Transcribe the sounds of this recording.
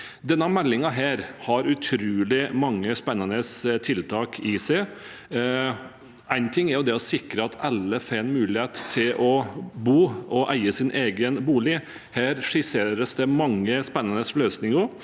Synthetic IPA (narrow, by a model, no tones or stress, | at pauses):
d̪ɛnːəmɛlːɪŋɑɦæːɾhɑɾʉt̪ʰɾʉːlɪmɑŋːəspɛnːənəst̪ʰɪlt̪ʰɑːkʰɪsæɪ | æɪnt̪ʰɪŋːɛɾjʊd̪ɛɔsɪkɾəɑt̪ʰɑlːəfenmʉːlɪheːt̪t̪ʰːɪlʔɔbuːʔɔʔæɪəsɪnʔeːɡənbuːlɪ | hæːɾʂɪseːɾəsd̪ɛmɑŋːəspɛnːɑnəsløːsnɪŋʊ